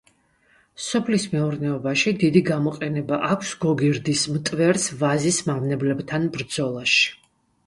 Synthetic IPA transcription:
sɔpʰlismɛuɾnɛɔbaʃid̪id̪iɡamɔqʼɛnɛbaʔakʷʰsɡɔɡiɾd̪ismt̪ʼvɛɾsvazismamnɛblɛbt̪ʰanbɾd̪zɔlˠaʃi̥

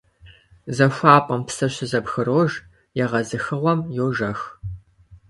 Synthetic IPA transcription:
zɐɕʷaːpʼɐmpsɐɕɪzɐpxɨroːʒ | jɛʁɐzɨxɨʁʷɔmjoːʒɐx

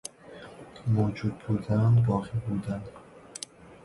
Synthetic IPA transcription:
moːd͡ʒud̪̚buːd̪ænbɒːʁiːbuːd̪ænd̪

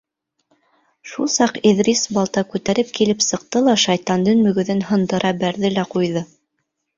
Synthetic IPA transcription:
ʃulˠsɑqeðrʲisbɑlˠt̪ɑkʉt̪æɾɘp̚kilɘpsɤ̆q̚t̪ɤlˠɑʃɑjt̪ɑnd̪ɤnmɵ̆ɡɵ̆ðɘnhɤ̆nd̪ɤ̆ɾɑbæɾðɘlæqujðɤ

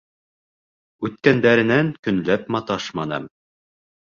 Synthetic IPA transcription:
ʉt̪kænd̪æɾɘ̆næŋkɵ̆nlæpmɑt̪ɑʃmɑnɤ̰m

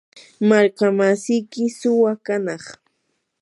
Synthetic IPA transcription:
maɾkamasɪjkɪsʊwakanɑχ

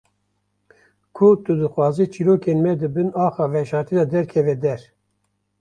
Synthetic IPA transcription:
kʰʊt̪ud̪ɨxwɑːzit͡ʃʰiɾoːkenmɛd̪ɨbɨnɑːxɑːvɛʃɑːɾt̪ʰiːd̪ɑd̪ɛɾkʰɛvɛd̪ɛɾ

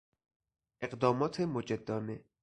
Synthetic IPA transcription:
ʔeɢd̪ɒːmɒːt̪ʰemod͡ʒed̪ːɒːne

